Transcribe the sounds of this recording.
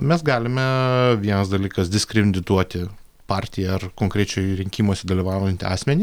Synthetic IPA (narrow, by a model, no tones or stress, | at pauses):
mʲɛsɡɑːlʲɪmʲɛʋʲiɛnɐsd̪ɐlʲiːkɐsd̪ʲɪsʲkɾʲɛd̪ʲɪt̪uɔt̪ʲɪ | pɑːɾʲt̪ʲɪjɛɐrkoːŋkɾʲɛt͡ʃʲɛɪɾʲɪŋʲkʲiːmuɔsʲɛd̪ɐlʲiʋɑːʊjɛnʲt̪ʲɪɑ̰ːsʲmʲɛnʲi